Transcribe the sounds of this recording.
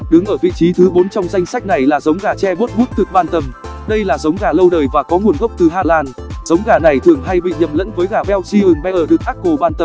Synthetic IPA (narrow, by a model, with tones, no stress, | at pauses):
ɗɨ˨˦ŋʔəː˧˩vḭ˧˨t͡ɕi˨˦t̪ʰɨ˨˦ɓo˨˦nt͡ɕɔ˧wŋ͡mza˧jŋsa˦˥jk̚na˨˩jlaː˨˩zə˨˦wŋ͡mɣaː˨˩t͡ɕɛ˧ɓu˦˥t̚mu˦˥t̚t̪ɨ˨˩k̚ɓaː˧nt̪ə˨˩m | ɗə˧jlaː˨˩zə˨˦wŋ͡mɣaː˧˩lə˧wɗəː˨˩jvaː˨˩kɔ˨˦ŋu˨˩ənɣə˦˥wk͡p̚t̪ɨ˨˩ɦaː˧laː˧nzə˨˦wŋ͡mɣaː˧˩na˨˩jt̪ʰɨ˨˩əŋɦa˧jɓḭ˧˨ɲə˨˩mlə̰˧˥nvəː˨˦jɣaː˧˩ɓɛ˧wsi˧ʔɨ˨˩ŋɓɛ˧ʔəː˧˩ɗɨ˨˩ək̚ʔaː˦˥k̚kːo˨˩ɓaː˧nt̪ə˨˩m